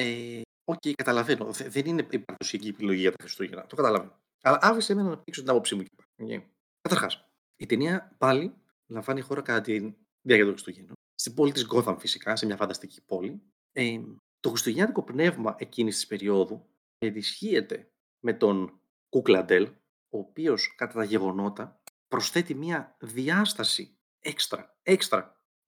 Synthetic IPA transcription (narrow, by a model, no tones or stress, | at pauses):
e | o̞ce̞jkɐt̪ɐlɐveno̞ðeðenineipɐɾðo̞siiciepilo̞ʝiʝɐt̪ɐxɾist̪uʝenɐ̰t̪o̞kɐt̪ɐlɐve | ɐlɐʔɐfisemenɐnɐpiðikso̞t̪inɐpopsimucepɐ̥cḛ | kɐt̪ɐɾxɐs | it̪eniɐpɐli | lɐɱvɐnixo̞ɾɐkɐt̪ɐt̪in | ðiɐciɐt̪oxɾist̪uʝeno | st̪ibo̞lit̪izɡo̞θɐɱfisi̥kɐsemɲɐfɐnd̪ɐst̪ici̥po̞li | e | t̪o̞xɾist̪uʝeɐt̪iko̞pne̞vmɐʔe̞cinist̪ispe̞ɾio̞ðu | enisçie̞t̪e̞ | me̞t̪o̞n | kuklɐnd̪e̞l | o̞ːpio̞skɐt̪ɐt̪ɐʝe̞ɣo̞no̞t̪ɐpɾo̞sθe̞t̪imiɐðiɐst̪ɐsi | ekst̪ɾɐ̰ | e̞kst̪ɾɐ